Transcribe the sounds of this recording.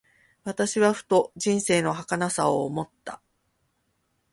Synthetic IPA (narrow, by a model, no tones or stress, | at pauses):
βat̪aɕiβaɸɯ̟̥t̪o̞ʑĩɰ̃se̞ːno̞ɦakanasaoːmo̞t̪ːa